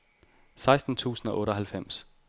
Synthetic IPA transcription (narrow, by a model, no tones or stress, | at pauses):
sɑ̈ɪsd̥n̩t͡sʰṵːsn̩ɒ̽ʔɔ̽ːɾɒɦælfem̰s